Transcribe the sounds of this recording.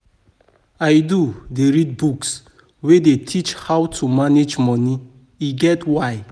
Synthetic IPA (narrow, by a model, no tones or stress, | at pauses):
ajdudeɹid̚buks | wedetʰit͡ʃhawtʰumaned͡ʒmɔni | iɡɛtwaj